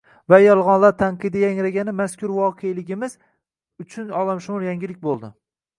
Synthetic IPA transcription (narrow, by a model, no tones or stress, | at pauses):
vajɒlˠʁɒnlaɾt̪ʰaɴqʰɨd̪ɪjaŋɾaɡʲanɪmaskʲʊɾvɒqʰejlɪɡʲɪmɪz | ʊt͡ʃʰʊnɒlˠamʃʊmʊɾjaŋɡʲɪlɪk̚ʲbolˠd̪ɪ